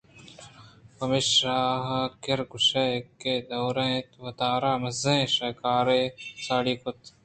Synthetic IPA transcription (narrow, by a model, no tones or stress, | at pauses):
pɐmiʃaːɦkɪɾɡʊʃeːkeːd̪oːɾẽːt̪ʋɐt̪aːɾaːmɐzẽːʃɐːkaːɾeːsaːɽiːkʊt̪